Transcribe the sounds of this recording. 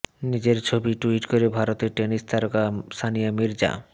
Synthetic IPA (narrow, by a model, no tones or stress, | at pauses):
nid͡ʑeɾt͡ɕʰobiʈuiʈkoɾebʱaɾot̪eɾʈenist̪ʰaɾkast̪ʰanijamiɾd͡ʑa̰